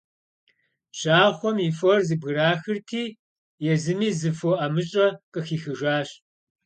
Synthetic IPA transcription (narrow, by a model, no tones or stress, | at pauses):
ɕaːχʷɔmifɔrzɨbɣɨraːxɨrtʰiː | jɛzɨmiːzɨfoʔamɨɕʼɐqʼəxiːxɨʒaːɕ